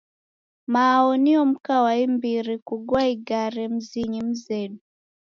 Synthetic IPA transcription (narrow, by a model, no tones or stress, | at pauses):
maːɔniɔm̩kawaimbiɾikuɡwaiɡaɾɛm̩ziɲim̩zɛnu